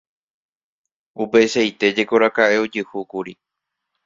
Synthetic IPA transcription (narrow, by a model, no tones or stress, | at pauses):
upe̞ʃajt̪e̞d͡ʒe̞ko̞ɾakaʔe̞od͡ʒɨhukuɾi